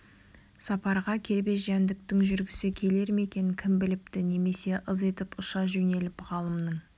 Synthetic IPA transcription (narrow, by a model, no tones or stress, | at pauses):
sɑpɑɾʁɑkʲʰe̞ɾbe̞ʒænd̪ɪk̚t̪ɪŋʒʏɾɡʲɪsɪkʲʰe̞le̞ɾme̞kʲe̞nɪkʲʰɪmbɪlɪp̚t̪ɪne̞me̞se̞ʔəze̞t̪ɪpʊʃɑʒɵne̞lɪpʁɑlˠəmnəŋ